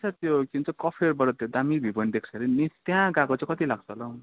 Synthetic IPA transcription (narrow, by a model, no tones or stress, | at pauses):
sʰʌt̪jokiunt͡sʰʌkʌpʰeɾbʌɾʌt̪ed̪amibʱibʌnd̪ekʰt͡sʰeɾinist̪jãɡakot͡sẽkʌt̪ilaɡ̚t͡sʰʌlau